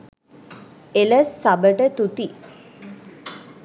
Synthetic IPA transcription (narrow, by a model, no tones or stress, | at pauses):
eləsːabəʈət̪ut̪i